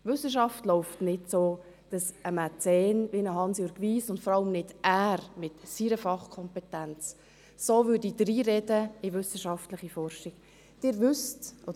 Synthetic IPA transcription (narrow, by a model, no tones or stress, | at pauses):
vʏsəʃ̬ɑftlɔʊftnɪtsoː | d̥ɑsəmæt͡sɛːnʋinəɦɑnsjyːɾɡʋiːsʊntfɔɾɑləmnɪd̥ʔæːɾmɪtsiɾəfɑχkʰɔmpɛtænt͡s | soːʋʏːɾdidɾiːɾɛdəɪvʏsəʃɑftləχifɔɾʃɪɡ̥ | d̥ɪːɾvʏstʔodə